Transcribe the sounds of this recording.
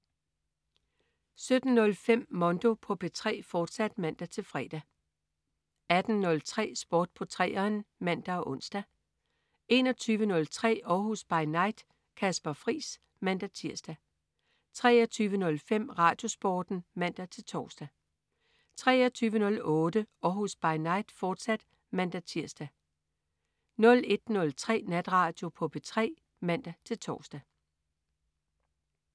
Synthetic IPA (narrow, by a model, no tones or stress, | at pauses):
sød̥n̩nɔ̽lfem̰ːɒ̽nd̥o̝pʰɒ̽pʰe̝t͡sʰʁɛ̰ːfɒːd̥sæd̥mæn̰d̥æt͡sʰe̝lfʁɛ̰ːd̥æ | æd̥n̩nɔ̽lt͡sʰʁɛ̰ːsb̥ɒːd̥̚pʰɒ̽t͡sʰʁɛ̰ːɐːnmæn̰d̥æɒ̽ʔɔ̽n̰sd̥æ | e̝nɒ̽t͡sʰyːʋənɔ̽lt͡sʰʁɛ̰ːɒːɦusb̥ɑ̈ɪnɑ̈ɪ̰d̥ | kʰæsb̥ɐfʁḭːs | mæn̰d̥æt͡sʰiɐ̰sd̥æ | t͡sʰʁɛːɒt͡sʰyːʋənɔ̽lfem̰ʁɑ̈ːd̥jo̝sb̥ɒːd̥n̩mæn̰d̥æt͡sʰe̝lt͡sʰɒ̰ːsd̥æ | t͡sʰʁɛ̰ːɒt͡sʰyːʋənɔ̽lɔ̽ːd̥əɒhusb̥ɑ̈ɪnɑ̈ɪ̰d̥fɒːd̥sæd̥ | mæn̰d̥æt͡sʰiɐ̰sd̥æ | nɔ̽le̝d̥nɔ̽lt͡sʰʁɛ̰ːnæd̥ʁɑ̈ːd̥jo̝pʰɔ̽b̥e̝t͡sʰʁɛ̰ː | mæn̰d̥æt͡sʰe̝lt͡sʰɒ̰ːsd̥æ